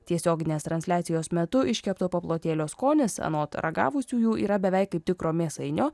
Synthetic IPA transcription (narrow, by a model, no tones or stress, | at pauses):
t̪ʲiɛsʲoːɡʲɪnʲeːst̪ɾɐnʲsʲlʲæːt̪sʲɪjoːsmʲɛt̪ʊʔɪʃʲkʲɛpt̪oːpoplˠoːt̪ʲeːlʲoːskoːnʲɪsɐ̰noːt̪ɾɐ̰ɡɑ̰ːʋʊsʲuːjuːʔḭːɾɐbʲɛʋʲɛɪkɐɪp̚t̪ʲɪkɾoːmʲeːsɐɪnʲoː